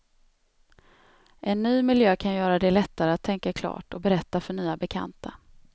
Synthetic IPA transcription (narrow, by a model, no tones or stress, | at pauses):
ʔɛnːyːmɪljøːkʰanjœːɾad̪ɛlɛt̪ʰːaɾəat̪ʰːɛŋkakʰlɑ̰ːʈɔbɛɾɛt̪ːafœɳyːabɛkʰa̰nt̪ʰa